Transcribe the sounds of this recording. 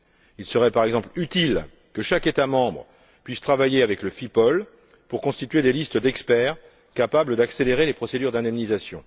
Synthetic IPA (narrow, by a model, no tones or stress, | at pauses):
ilsəʁɛpaʁɛɡzɑ̃plyt̪il | kəʃaket̪amɑ̃bʁə | pɥist̪χavajeavɛkləfipɔl | puʁkɔ̃st̪it̪ɥed̪elist̪əd̪ɛkspɛʁ | kapabləd̪akseleʁelepχɔsed̪yʁd̪ɛ̃d̪ɛmnizasjɔ̃